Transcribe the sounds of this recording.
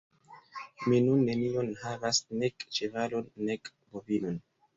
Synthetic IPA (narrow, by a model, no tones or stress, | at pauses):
minunːe̞nio̞nhavasne̞kt͡ʃevalo̞nːek | bovino̞n